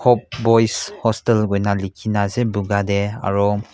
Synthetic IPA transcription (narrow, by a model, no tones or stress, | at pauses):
kʰɔp̚bɔjshɔstelɡɔjnalikʰinazebuɡadea̰ɹɔ